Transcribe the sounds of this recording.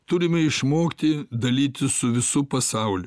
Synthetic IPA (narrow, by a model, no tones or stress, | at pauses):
t̪ʊɾʲɪmʲɛɪʃmoːkt̪ʲɪd̪ɐlʲiːt̪ʲɪsʊʋʲɪsʊpɐsɐʊlʲʊ